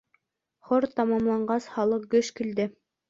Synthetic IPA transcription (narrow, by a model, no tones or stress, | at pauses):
χoɾt̪ɑmɑmlˠɑɴɢɑsχɑlˠɤq̚ɡɵʃkild̪ɘ